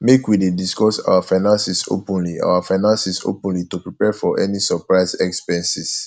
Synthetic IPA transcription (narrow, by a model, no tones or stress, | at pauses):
mekwidediskɔsa̰wafãɪnãnsiso̰pɔ̃nliʔa̰wafaɪnãnsiso̰pɔ̃nlitupɹipɛfɔʔɛnisəpɹaɪsɛkspɛ̃nsis